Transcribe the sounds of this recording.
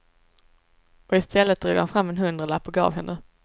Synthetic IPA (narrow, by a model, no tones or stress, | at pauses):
ɔɪst̪ʰɛlːət̪̚d̪ɾo̰ːɡhanfɾamːɛnɦɵnd̪ɾalapːʊɡɑ̰ːvɦɛnd̪ə